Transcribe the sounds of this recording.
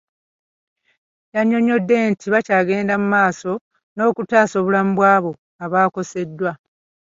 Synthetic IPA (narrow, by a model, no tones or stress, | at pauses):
jaɲːo̞ɲo̞dːe̞ntʰiβacaːɡe̞ːndamumaːso̞ | no̞ːkutaːso̞ːβulam̩bwaːβo̞ | aβaːko̞se̞dːwa